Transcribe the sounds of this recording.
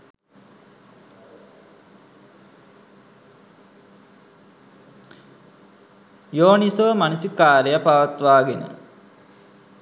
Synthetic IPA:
joːnisoʋəmanisikaːlejapaʋat̪ʋaːɡenə̰

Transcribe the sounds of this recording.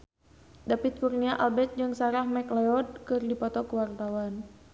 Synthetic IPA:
dapit̪̚kurniaʔalbɛt̪̚d͡ʒɨŋsaɾahmɛklɛɔd̚kɨrdipɔt̪ɔkəwart̪awan

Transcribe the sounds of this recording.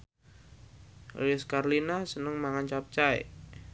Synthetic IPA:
riskarlinasənəŋmaŋant͡ʃap̚t͡ʃaḛ

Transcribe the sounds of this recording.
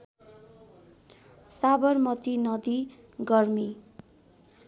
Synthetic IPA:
sabʌrmʌt̪inʌd̪i | ɡʌrmi

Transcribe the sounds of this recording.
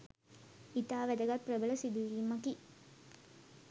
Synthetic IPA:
it̪aːʋæd̪əɡapːrəbələsib̪iliːmaki

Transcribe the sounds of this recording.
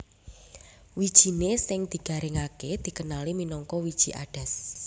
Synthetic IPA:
wid̥ʒ̥i̤nesɪŋd̪̥i̤ɡ̥a̤ɾɪŋaked̪̥i̤kənaliminɔŋkɔwid̥ʒ̥i̤ʔa̰ɖ̥a̤s

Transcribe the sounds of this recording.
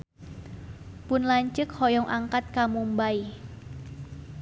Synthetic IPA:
pʊnlaɲt͡ʃəkhɔjɔŋʔaŋkat̪̚kamumbai

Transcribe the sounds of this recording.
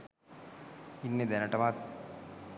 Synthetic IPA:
inːed̪ɛnəʈəmat̪̚

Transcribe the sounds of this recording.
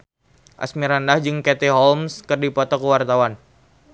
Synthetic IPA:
ʔa̰smiɾandahd͡ʒɨŋket̪iɦɔlmskɨrdipɔt̪ɔkəwart̪awan

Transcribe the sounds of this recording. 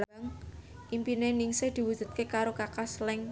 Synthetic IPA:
ŋ | ʔimpineniŋsɪhd̪̥i̤wud̥ʒ̥ṳt̪̚kekaɾokakaslɛŋ

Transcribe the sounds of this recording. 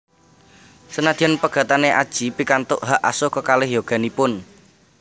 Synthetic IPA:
sənad̪̥i̤ɔnpəɡ̥a̤t̪aneʔad̥ʒ̥i̤pikant̪ʊʔɦaʔa̰sokəkalɪhjoɡ̥a̤nipʊn

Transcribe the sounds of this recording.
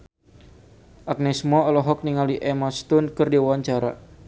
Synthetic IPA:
ʔak̚nɛsmɔɔlɔɦɔk̚niŋaliʔɛmast̪ʊnkɨrdiawaɲt͡ʃaɾa̰

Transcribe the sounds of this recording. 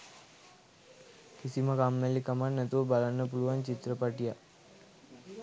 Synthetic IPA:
kisimakamːelikɐmannːɛt̪ubalanːəp̬uluʋant͡ʃit̪ɾəpaʈija

